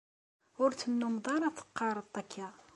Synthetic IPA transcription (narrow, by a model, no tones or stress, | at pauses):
ʊɾt͡sːənːʊmðˤɑɾˤæθə̥qːɑɾˤəðˤækʰːa